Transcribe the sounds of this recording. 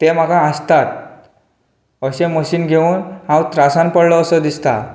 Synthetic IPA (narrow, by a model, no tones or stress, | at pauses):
t̪em̤akaːst̪at̪̚ | əɕẽməɕiːnɡʱeunɦãwt̪ɾasãnpəɽlɔːsɔd̪ist̪a̰